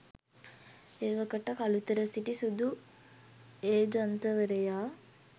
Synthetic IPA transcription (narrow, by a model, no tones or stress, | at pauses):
eːʋəkəʈɐkalut̪əɾəsiʈisud̪u | eːd͡ʒɐnt̪əʋəɾejaː